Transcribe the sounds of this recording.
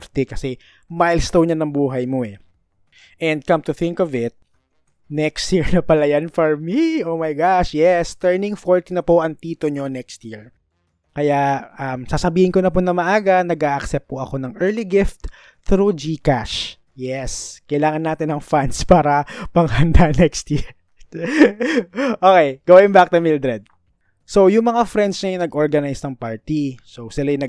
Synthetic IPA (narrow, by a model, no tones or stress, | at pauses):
ɾt̪ɪkɐsɛ | majlst̪ownɲɐnɐŋbuːɦɐjmoɛ | ʔɛnd̪̚kɐmt̪ʊθɪ̃ŋkɔvɪt̪̚ | nɛkst̪jiɹnɐpɐlɐjanfɔɹmiomajɡaʃjɛst̪ɛɹnɪ̃ŋfoɹt̪inɐpoʔɐŋt̪iːt̪oɲonɛkst̪̚jiɹ | kɐjaʔɐmsaːsɐbiːhɪnkonɐponɐmɐʔaːɡɐnɐɡʔaːʔɐksɛp̚pʊʔɐko̞nɐŋʔɛɹliɡɪft̪ | θɾud͡ʒikaʃ | jɛskɐjlaːŋɐnːaːt̪ɪnɐŋfanspaːɾɐpɐŋhɐnd̪anɛkst̪ji | ʔokejɡ̥owɪnbak̚t̪ɐmɪld̪ɾɛd̪̚ | sowjʊŋmɐŋafɾɛnd̪sɲɐjʊnɐɡʔoɹɡɐnajsnɐŋpaɹt̪isosɪlajnɐ